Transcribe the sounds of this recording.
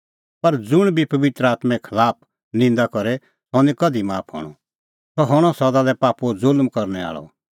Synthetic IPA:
pɐɾd͡zʊɽ̃bʱipɐʋɪt̪ɾəaːt̪mɛkʰɐlaːp̚ʰ | nɪ̃nd̪akɔɾɛ | sɔ̃nikɐd̪imaːpʰɦɔ̰ɽ̃ɔ̰ | t̪ɔɦɔɽ̃ɔsɐd̪alɛpaːpuzʊlmkɐɾnɛa̰ːɭɔ̰

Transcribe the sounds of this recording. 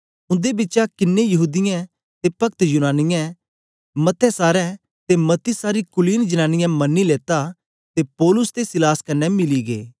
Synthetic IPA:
ʊ̃nd̪ebɪːt͡ʃakɪnːẽjɐɦuːd̪ɪjã | t̪epɐkt̪junaːnɪjɛ̃ | mɐt̪ʰɛsaːɾɛ̃ | t̪emɐt̪ːisaːɾikʊliːnd͡ʒənaːnɪjãmɐnːileːt̪a | t̪epɔːlʊst̪esɪlaːskɐnːɛmɪliɡḛː

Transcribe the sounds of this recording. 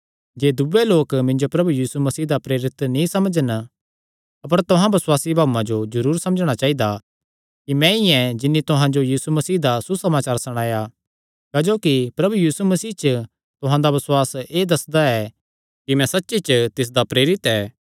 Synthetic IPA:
d͡ʒeːd̪ubeloːkmɪ̃nd͡ʒopɾɐbujiːsumɐsiːd̪apɾeːɾɪt̪nĩsɐməd͡ʒən | ɐp̬əɾt̪ʊɦãbɐswaːsibʱaːuãd͡ʒod͡ʒɐɾuːɾsɐ̃məd͡ʒɽ̃at͡ʃaːɦid̪a | kimɛ̃ɪjɛ̃d͡ʒɪnːit̪ʊɦãd͡ʒojiːsumɐsiːd̪asusɐmaːt͡ʃaːɾsɐɽ̃aːja | kaːd͡ʒoːkipɾɐbujiːsumɐsiːt͡ʃə | t̪ʊɦãd̪aʋɐswaːseːd̪ɐsd̪aɛ | kimɛ̃sɐtːʃit͡ʃt̪ɪs̬d̪apɾeːɾɪt̪ɛː

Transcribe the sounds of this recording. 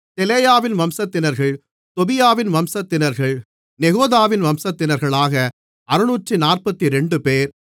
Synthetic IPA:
t̪ɛlɛjaːʋɪnʋɐmsɐt̪ːɪnɐɾɣɐɭ | t̪ɔbɪjaːʋɪnʋɐmsɐt̪ːɪnɐɾɣɐɭ | nɛɣoːðaːʋɪnʋɐmsɐt̪ːɪnɐɾɣɐɭaːɣɐ | ɐɾɯnuːʈrinaːrpɐt̪ːiɾɛɳɖɯpeːɾ

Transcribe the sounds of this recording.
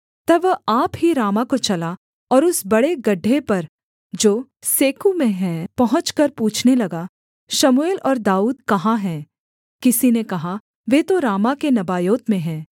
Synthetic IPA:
t̪ɐbaːpɦiɾaːmakot͡ʃɐla | ɔːɾʊsbɐɽeɡɐɖʱːepɐɾ | d͡ʒoː | seːkumẽɦɛ̃pɐɦʊ̃t͡ʃkɐɾpuːt͡ʃʰnelɐɡa | ʃɐmueːlɔːɾd̪aːuːd̪̚kɐɦaɦɛ̃ː | kɪsinekɐɦa | ʋeːt̪oɾaːmakenɐbaːjoːt̪mẽɦɛ̃ː

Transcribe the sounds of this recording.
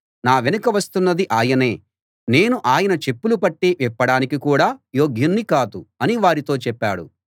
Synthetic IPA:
naːʋenɐkɐʋɐst̪unːɐd̪iʔaːjɐne̞ː | ne̞ːnuʔaːjɐnɐt͡ʃe̞pːulupɐʈːeːʋipːɐɽaːnikikuːɽaːjoːɡʱjɐnːikaːd̪uɐniʋaːɾit̪o̞ːt͡ʃɛpːaːɽṵ

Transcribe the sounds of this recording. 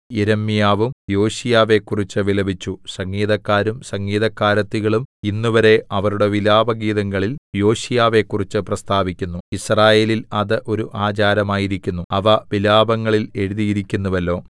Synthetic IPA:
jeɾɐmːijaːʋumjo̞ːɕijaːʋe̞kːurit͡ɕːɨʋilɐbit͡ɕːusɐŋɡiːðɐkːaːɾumsɐŋːiːðɐkːaːɾɐt̪ːiɣɐɭuminːuʋɐɾe̞ɐʋɐɾuɽe̞ʋilaːbɐɡiːðɐŋːɐɭiljo̞ːɕijaːʋe̞kːurit͡ɕːɨprɐst̪ʰaːbikʲːunːuisraːje̞ːlilɐðɨʔo̞ɾuʔaːt͡ɕaːɾɐmaːjiɾikʲːunːuɐʋɐʋilaːbɐŋːɐɭile̞ɻuðijiɾikʲːunːuʋɐlːo̞ː

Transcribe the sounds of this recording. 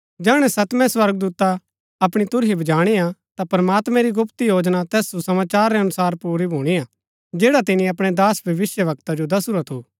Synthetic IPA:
d͡ʒɛːɽ̃ɛsɐt̪mɛ̃swɐɾɡ̚d̪uːt̪a | ɐpɽ̃it̪ʊɾɦibɐd͡ʒaːɽ̃iat̪apɾɐmaːt̪mɛ̃ɾiɡʊpt̪ijoːd͡ʒnat̪ɛːssusɐmaːt͡ʃaːɾːɛɐnʊsaːɾpuːɾibʱuːɽ̃ia | d͡ʒɛːɽat̪ɪnĩɐpɽ̃ɛd̪aːsbʱjɐʋɪsjəʋɐk̚t̪ad͡ʒod̪ɐsuɾat̪ʰuː

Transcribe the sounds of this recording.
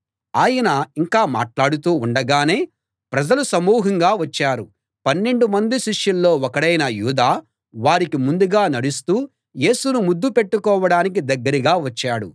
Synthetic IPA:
aːjɐnɐiŋkaːma̰ːʈlaːɽut̪uːɳɖɐɡaːne̞ː | pɾɐd͡ʒɐlusɐmuːɦɐŋɡaːʋɐt͡ʃːaːɾu | pɐnːe̞ɳɖumɐnd̪iʃiʂjɐlːo̞ːɔkɐɽɐjnɐjuːd̪aː | ʋaːɾikimund̪uɡaːnɐɽust̪uː | je̞ːsunumud̪ːupeʈːukɔːʋɐɽaːnik̬id̪ɐɡːɐɾiɡaːʋɐt͡ʃːaːɽṵ

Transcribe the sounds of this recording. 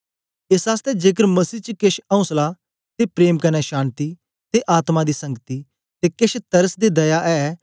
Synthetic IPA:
ɪsaːst̪ɛd͡ʒeːk̬əɾməsiːt͡ʃəkɪʃɐ̃ʊ̃sla | t̪epɾeːmkɐnɛʃaːnt̪iː | t̪eʔaːt̪mad̪iːsɐ̃ŋɡət̪i | t̪eːkɪʃt̪ɐɾəsd̪id̪ɐjaʔɛː

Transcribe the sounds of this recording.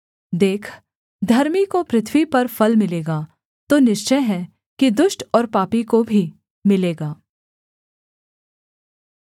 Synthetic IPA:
d̪eːkʰ | d̪ʱɐɾmikopɾɪt̪ʰwipɐɾfɐlmɪleːɡaː | t̪oːnɪʃt͡ʃəjɦɛ̃ | kid̪ʊʃʈɔːɾpaːpikobʱi | mɪleːɡaː

